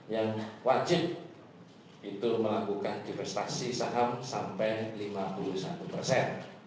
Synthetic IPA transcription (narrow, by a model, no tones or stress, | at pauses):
jaŋwad͡ʒɪp̚ | it̪uməlakukandifɛst̪asisaɦamsampɛjlimapuluhsa̰t̪upərsɛn